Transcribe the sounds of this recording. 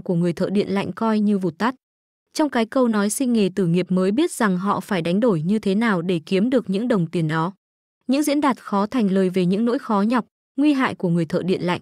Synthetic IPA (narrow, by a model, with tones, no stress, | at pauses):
ku˧˩əŋɨ˨˩əjt̪ʰə̰ː˧˨ɗḭ˧˨ənla̰˧˨jŋ̟kɔ˧jɲɨ˧vu˨˩t̪a˦˥t̚ | t͡ɕɔ˧wŋ͡mkaː˨˦jkə˧wnɔ˨˦jsï˧ŋ̟ŋe˨˩t̪ɨ˧˩ŋi˨˩əp̚məː˨˦jɓi˦˥ət̚za˨˩ŋɦɔ̰˧˨faː˧˩jɗa˨˦jŋ̟ɗo˧˩jɲɨ˧t̪ʰe˨˦naː˨˩wɗe˧˩ki˨˦əmɗɨ˨˩ək̚ɲɨ̰˧˥ŋɗə˨˩wŋ͡mt̪i˨˩ənɗɔ˨˦ | ɲɨ̰˧˥ŋzḭ˧˥ənɗaː˨˩t̚xɔ˨˦t̪ʰa˨˩jŋ̟ləː˨˩jve˨˩ɲɨ̰˧˥ŋno̰˧˥jxɔ˨˦ɲɔ˨˩wk͡p̚ | ŋwi˧ɦa̰ː˧˨jku˧˩əŋɨ˨˩əjt̪ʰə̰ː˧˨ɗḭ˧˨ənla̰˧˨jŋ̟